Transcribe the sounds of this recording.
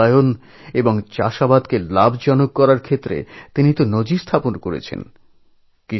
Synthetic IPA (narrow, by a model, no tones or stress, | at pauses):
ajon | eboŋt͡ɕaʃabad̪kelabd͡ʑɔnokːɔɾaɾkʰet̪ːɾḛt̪init̪onod͡ʑist̪ʰaponkoɾḛt͡ɕʰḛn | ki